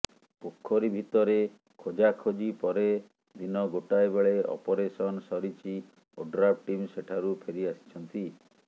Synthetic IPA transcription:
pokʰːɔɾibʱit̪ɔɾe | kʰod͡ʒakʰod͡ʒipɔɾe | d̪inɔɡoʈaebeɭeɔ̰pɔɾesɔnɔsɔɾit͡ʃi | oɖɾap̚ʈimseʈʰaɾupʰeɾiasi̥t͡ʃʰɔnt̪i

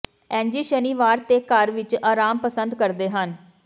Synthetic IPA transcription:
ɛ̃ːɲd͡ʒiːʃəniːʋaːɾt̪eːkəɾʋɪt͡ʃaːɾaːmpəsənd̪kəɾd̪eːɦən

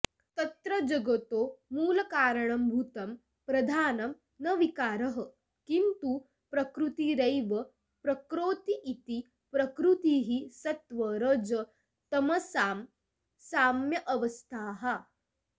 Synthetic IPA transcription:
t̪ɐt̪ɾɐd͡ʒɐɡot̪oːmuːlɐkaːɾɐɳɐmbʱut̪ɐm | pɾɐd̪ʱaːnɐm | nɐʋikaːɾɐɦɐ̆ | kint̪u | pɾɐkɾut̪iɾɐjʋɐ | pɾɐkɾoːt̪iʔːt̪i | pɾɐkɾut̪iɦisɐt̪ʋɐɾɐd͡ʒɐ | t̪ɐmɐsaːm | saːmjɐʔɐʋɐst̪ʰaːɦɐ

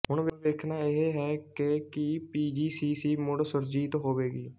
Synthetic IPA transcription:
ɦʊɳ̃ʋʋeːkʰnaːɪɦeɦɛːkɪkɪpiːd͡ʒiːsiːsiːmʊɽsəɾd͡ʒiːt̪ɦoːʋeːɡḭː

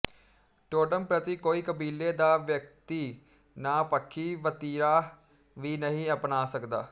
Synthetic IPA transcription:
ʈoːʈəmpɾət̪iːkoːiːkəbiːleːd̪aːʋjək̚t̪iː | naːpəkʰːiːʋət̪iːɾaː | ʋiːnəɦĩːəpnaːsəkd̪a̰ː

